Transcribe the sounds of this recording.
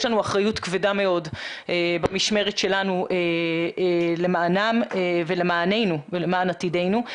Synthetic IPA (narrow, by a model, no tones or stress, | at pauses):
ʃlanuaχʁajutkvedame̞o̞dʔebamiʃme̞ʁetʃe̞lanuʔe | le̞maːnamevele̞maːne̞jnuvelemaːnatide̞jnu